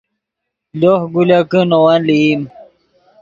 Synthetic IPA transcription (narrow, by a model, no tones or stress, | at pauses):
lohɡulakənowanlim